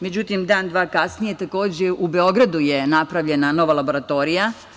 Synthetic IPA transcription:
me̞d͡ʑut̪imd̪aːnd̪ʋaːkasnijet̪ako̞ːd͡ʑeube̞o̞ɡɾad̪ujenapɾaʋʎe̞nano̞ʋalˠabo̞ɾat̪o̞ːɾija

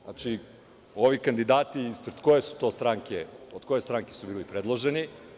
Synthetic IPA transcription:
a̰t͡ʃi | o̞ʋikand̪id̪aːt̪iːspɾed̪̥ko̞jesu̥t̪o̞ːst̪ɾaŋkeod̪̥ko̞jest̪ɾaŋkesubiːlipɾe̞d̪lˠoʒe̞ni

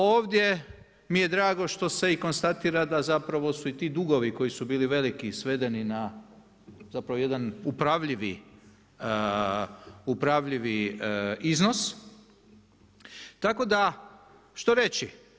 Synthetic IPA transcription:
o̞ːʋd̪ʲje̞ | mije̞d̪ɾaːɡo̞ʃt̪o̞se̞iko̞nst̪at̪iːɾad̪azapɾaʋo̞suit̪iːd̪uɡo̞ʋiko̞jisubiːliʋe̞likisʋe̞d̪e̞nina | zapɾaʋoje̞d̪anupɾaʋʎiʋi | upɾaʋʎiʋi | izno̞s | t̪ako̞d̪a | ʃt̪o̞ɾe̞t͡ʃi

